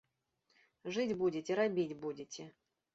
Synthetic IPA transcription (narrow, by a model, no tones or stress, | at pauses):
ʐɨdʲbudʲɪtʲɪɾabʲitʲbudʲɪtʲɪ